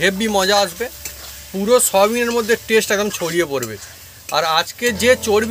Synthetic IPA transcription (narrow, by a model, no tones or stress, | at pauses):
ebːimɔd͡ʑaaʃbe | puɾoʃɔbineɾmod̪ʱːeʈesʈɛkd̪omt͡ɕʰoɽiepoɾbḛ | aɾad͡ʑked͡ʑet͡ɕoɽb